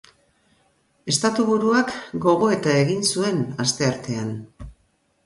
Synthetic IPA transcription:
e̞st̪at̪uβuɾuakɡo̞ɣ̞o̞e̞t̪ae̞ɣinsue̞nast̪e̞aɾt̪e̞an

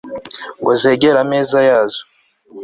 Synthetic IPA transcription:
ŋɡozeːɡeɾameːzajaːzo

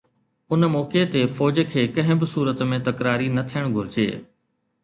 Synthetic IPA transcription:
ʊnmɔːket̪efɔːd͡ʑkʰeːkɐ̃ɦɪ̃bɪsuːɾət̪mẽt̪ɐkɾaːɾinɐt̪ʰijəɽ̃ɡʱʊɾɪd͡ʑḛː

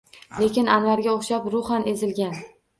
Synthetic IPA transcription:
le̞kʲɪnanvaɾɡʲaoχʃapɾʊχanʔe̞zɪlɡʲan

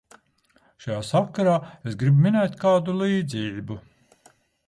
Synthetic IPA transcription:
ʃajaːsakːaɾaːesɡɾibmʲinɛjt̪ʲkaːd̪uliːd̪ziːbu

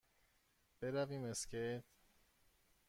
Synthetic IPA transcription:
b̥eɾæviːmescejt̪

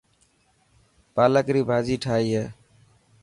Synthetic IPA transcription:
paləkɾiːbʱad͡ʒiːʈʰaːjje

